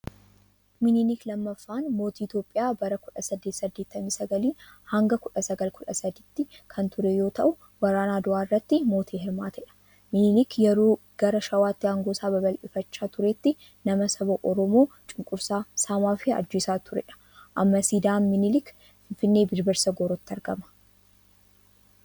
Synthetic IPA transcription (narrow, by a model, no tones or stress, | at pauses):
mɪnɪliklɐmːɐfːaːnmo̞ːt̪iːɪt̪jo̞ːpʼːɪjaːbɐɾɐkʊᶑɐsɐd̪ːeːt̪sɐd̪ːe̞ːt̪ːɐmiːsɐɡɐliːhɐŋɡɐkʊᶑɐsɐɡɐlkʰʊᶑɐsɐd̪iːt̪ːɪkʰɐnt̪ʊɾɛjo̞ːt̪ʰɐ̰ʔʊ | wɐɾaːnaːd̪ʊʔaːɪrːɐt̪ːɪmo̞ːt̪ʰiːɦɪɾmaːt̪ʰɐᶑɐ̥ | mɪnɪlɪkjɛɾoː | ɡ̥ɐɾɐʃɐwaːt̪ːɪhɐŋɡoːsaːbɐbɐlʔɪfɐt͡ʃːaːt̪ʊɾet̪ːɪ | nɐmɐsɐbɐʔɔɾɔmoː | t͡ʃʼɪŋkʼʊɾsaːsaːmaːfɪɐ̰d͡ʒːeːsaːt̪ʰʊɾɛ̰ᶑɐ̥ | ʔɐmːɐsid̪aːnmɪnɪlɪk | fɪnfɪnːe̞ːbɪɾbɛɾsɐɡoɾɔt̪ːɐɾɡɐmɐ̥